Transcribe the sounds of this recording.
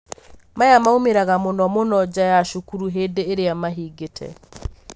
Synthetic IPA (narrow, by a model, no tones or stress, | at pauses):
majamaomeɾaɣamonɔmonɔd͡ʑajaʃukuɾuɦedeːɾeamaɦiːɡetʰɛ̰